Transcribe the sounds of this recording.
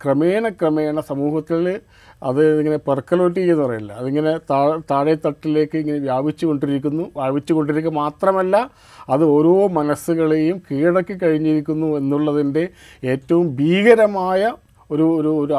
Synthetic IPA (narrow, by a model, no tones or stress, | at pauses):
kremeːɳɐkrɐmeːɳɐsɐmuːhɐt̪ːil | ɐðɨiŋːɐne̞perkːɐlo̞ːt̬ːiːenːɨpɐrɐjilːɐɐðiŋːɐne̞t̪at̪aːɻɐjɐt̪ːɐʈːile̞ːkːɨiŋːɐne̞ʋjaːbit͡ɕːuko̞ɳɖiɾikʲːunːuʋjaːbit͡ɕːuko̞ɳɖiɾik̬ʲːɐmaːt̪rɐmɐlːɐ | ɐðɨo̞ɾoːmɐnɐsːuɣɐɭeːjumkiːɽɐkːikːɐɻiɲːiɾikʲːunːue̞nːuɭːɐðinde̞ | eːtːɐʋumbʱiːɣɐɾɐmaːjɐ | o̞ɾuoɾuoɾu